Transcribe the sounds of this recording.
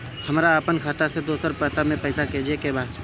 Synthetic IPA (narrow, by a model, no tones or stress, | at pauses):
hɐmːɾaaːpənkʰaːt̪ased̪oːsəɾpət̪amẽpɛːsaked͡ʒekebaːd̪